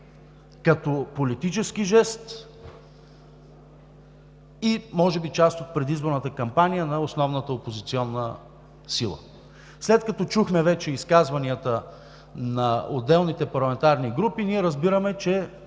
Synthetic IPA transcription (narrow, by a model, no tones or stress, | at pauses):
kɐt̪ɔpolit̪it͡ʃɛskiʒɛst̪ | imɔʒɛbit͡ʃast̪ot̪̚pɾɛd̪izboɾnət̪əkɐmpanijənɐosnɔvnət̪əopozit̪siɔnːə | silˠə̰ | slɛt̪̚kɐt̪ɔt͡ʃuxmɛvɛt͡ʃɛiskazvɐniət̪ə | nɐo̰d̪ːɛlˠnit̪ɛpɐɾlˠɐmɛnt̪aɾniɡɾupiniɛɾəzbiɾəmɛt͡ʃɛ